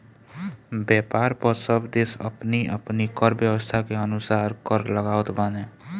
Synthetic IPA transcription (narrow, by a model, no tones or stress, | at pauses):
bjɛːpaːɾpəɾsəbʱd̪esə̰pniə̰pnikəɾbjəwəst̪ʰakeənʊsaːɾkəɾləɡaːət̪baneː